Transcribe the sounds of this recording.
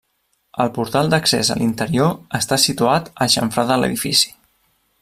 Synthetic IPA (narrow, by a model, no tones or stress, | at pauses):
əlˠpuɾt̪alˠd̪əksɛ̰zə̰lʔint̪əɾioəst̪asit̪uat̪əʃə̰ɱfɾaðələ̰ðifisi̥